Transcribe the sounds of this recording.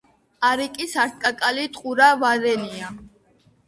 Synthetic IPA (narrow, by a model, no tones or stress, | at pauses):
aɾikʼisaɾt̪̚ʼkʼakʼalit̪ʼqʼuɾavad̪ɛnia